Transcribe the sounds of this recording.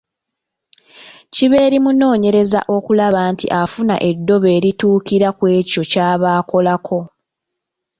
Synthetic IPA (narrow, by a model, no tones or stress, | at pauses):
ciβe̞ːɾimuno̞ːɲe̞ɾe̞za̰ʔo̞kulaβaːntḭʔafuna̰ʔe̞dːo̞βe̞ːɾituːkiɾakwe̞ːco̞caːβaːko̞lakʰo̞